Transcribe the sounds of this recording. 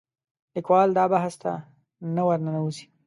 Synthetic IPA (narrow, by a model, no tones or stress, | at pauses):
lɪkwɑld̪ɑbaɦast̪a̰ | nawaɾnanawuzi̥